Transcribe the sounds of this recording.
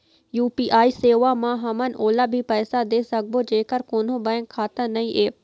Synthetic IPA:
juːpiːʔaːiseːʋamãɦɐmənʔoːlabʱipɛːsad̪eːsɐɡ̚bod͡ʒeːkəɾkoːn̤õbɐːɪ̃ŋkʰːaːt̪ə̃nɐĩʔeː

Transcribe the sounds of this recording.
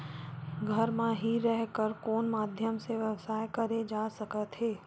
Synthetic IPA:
ɡʱəɾmẽɦiɾɛɦkəɾkoːnmaːd̪ʱjəmseʋjɐwsaːjkɐɾed͡ʒaːsɐkət̪ɦeː

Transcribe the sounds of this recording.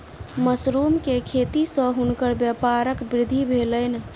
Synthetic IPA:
məsɾumkekʰet̪isə̃ɦunkəɾbjəpaɾəkbɾɪd̪ʱːibʱeləɪn̆

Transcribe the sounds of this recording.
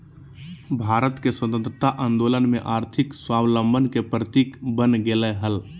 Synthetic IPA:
bʱaːɾət̪keswət̪ə̃nt̪ɾət̪aʔãːnd̪oːlənmẽʔaːɾt̪ʰɪkswaːwlə̃mbʱənkepɾət̪iːkbənɡeləɦəl

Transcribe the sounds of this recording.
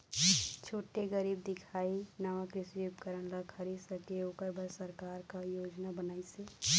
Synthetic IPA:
t͡ʃʰoːʈeɡəɾiːb̚d̪ɪkʰaːinaʋakɾɪsibkəɾəñlakʰəɾisəkeoːkəɾbʱəɾsəɾkaːɾkajoːd͡ʒnabənaːiseː

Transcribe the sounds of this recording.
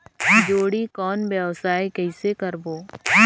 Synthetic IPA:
d͡ʒoːɽikɔːnbɛʋsaːikɛɪsekɐɾboː

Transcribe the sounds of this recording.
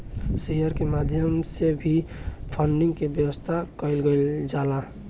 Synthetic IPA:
sejəɾkemad̪ʱjəmsebʱipʰəɳɖiŋɡkebjəwəst̪ʰakəɪlɡeld͡ʒala

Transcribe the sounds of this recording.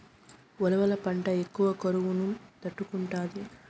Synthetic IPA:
ʋɔlɐʋɐlɐpɐɳʈɐekːuʋɐkɐɾuʋunumt̪ɐʈːukuɳʈaːd̪i

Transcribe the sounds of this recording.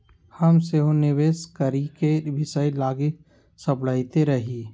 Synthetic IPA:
həmseɦonɪʋeːskəɾikebɪsəilaːɡik̚ | səpɽaːɪt̪eɾɐɦiː

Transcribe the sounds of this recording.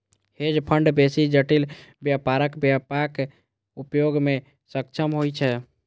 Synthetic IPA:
hed͡ʒpʰəɳɖbesid͡ʒəʈilbjəpaɾəkbjəpak | upjoɡme | səkt͡ʃʰəmɦojt͡ʃʰɛ

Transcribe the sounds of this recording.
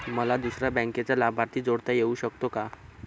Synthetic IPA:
məlad̪usɾjabə̃ŋket͡salabʱaɾt̪ʰiːd͡zoɽt̪ajeuːɕəkt̪oka

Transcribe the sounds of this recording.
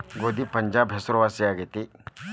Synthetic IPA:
ɡoːd̪ipɐɲd͡ʒaːbɦesɾʋaːsiaːɡet̪i

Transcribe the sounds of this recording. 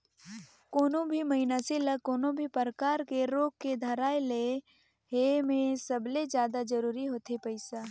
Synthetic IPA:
koːnõbʱiməɦɪnaseləkoːnõbʱipəɾəkaːɾkeɾoːɡ̚ked̪ʱəɾaːele | ɦemẽsəbled͡ʒjaːd̪ad͡ʒəɾuːɾiɦoːt̪epəɪsa

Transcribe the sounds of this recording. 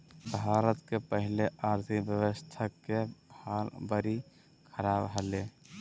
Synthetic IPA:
bʱaːɾət̪kepəɦɪleʔaːɾt̪ʰikbjəʋəst̪ʰakehaːlbəɾi | kʰəɾaːbɦəle

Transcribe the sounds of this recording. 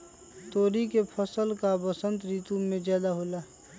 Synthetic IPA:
t̪oːɾikepʰəsəlkabəsə̃nt̪ɾiːt̪umẽd͡ʒjaːd̪aɦoːlaː

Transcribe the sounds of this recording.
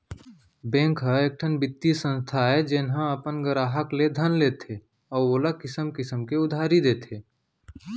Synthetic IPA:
bɛ̃ːŋkɦəeːk̚ʈʰənbɪt̪ːisə̃nst̪ʰaɦɛd͡ʒɪnɦãəpənɡəɾaːɦəkled̪ʱənleːt̪e | ɔːɾoːləkɪsəmkɪsəmkeʊd̪ʱaːɾid̪eːt̪eː

